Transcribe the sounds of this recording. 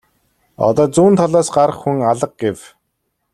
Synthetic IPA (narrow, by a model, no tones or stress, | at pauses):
ɔ̰t̪ɔːt͡suːnt̪ʰɔɮɔːsɢaɾə̆χxuŋaɮə̆q̚ɡew